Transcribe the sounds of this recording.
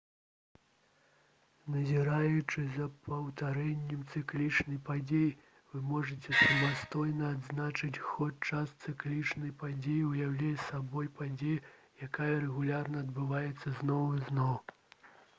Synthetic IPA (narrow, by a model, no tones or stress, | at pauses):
nɐzʲiɾajut͡ʂɨzɐpɐwt̪aɾɛnʲːɛmt̪sɨklʲit͡ʂnɐjpad͡zʲeji | vɨmɔʐɐt͡sʲɛsɐmast̪ɔjnɐad̪znat͡ʂɨt͡sʲxɔt͡ʂast̪sɨklʲit͡ʂnɐjpad͡zʲejiwjawlʲɛjsabɔjpad͡zʲejɛ | jakajɐɾɛɣulʲarnɐɐd̪bɨvajɛt̪sːɐznɔwiznɔw